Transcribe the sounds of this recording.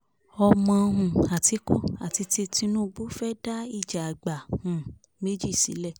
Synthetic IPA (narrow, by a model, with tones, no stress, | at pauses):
ɔ˧mɔ̃˧ɦũ˨a˨ti˨˧˦ko˦a˨ti˧ti˧ti˧nũ˦˧ɡ͡bu˦fɛ˦da˦i˦˨d͡ʒa˨a˨ɡ͡ba˨hũ˨ | me˦d͡ʒi˦˨sḭ˨˦lɛ˦˨